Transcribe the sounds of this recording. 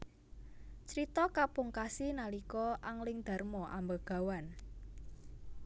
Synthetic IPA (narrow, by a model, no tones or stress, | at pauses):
t͡ʃɾit̪ɔkapuŋkasinalikɔʔaŋlɪŋd̪̥a̤rmɔʔa̰mbaɡ̥a̤wan